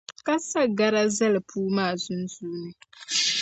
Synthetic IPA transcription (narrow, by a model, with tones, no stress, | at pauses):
ka˦sa˦ɡa˦ɾa˦zɐ˦lɨ˨pʰuː˦maː˦˨zʊ˦nzuː˦nɨ˦